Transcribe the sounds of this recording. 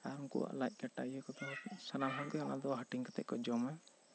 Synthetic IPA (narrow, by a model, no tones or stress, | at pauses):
aɾuŋkṵwa̰ʔlajc̚ˀkaʈajɛkɔd̪ɔsanamɦɔd̪ɛanad̪ɔɦaʈiŋkɔt̪ɛ̰ʔkɔd͡ʒɔma